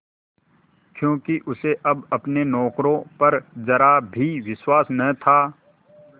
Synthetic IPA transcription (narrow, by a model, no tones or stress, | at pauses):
kjõːkiʔʊseʔɐbɐpnenɔːkɾõpɐɾzɐɾabʱiʋɪswaːsnɐt̪ʰaː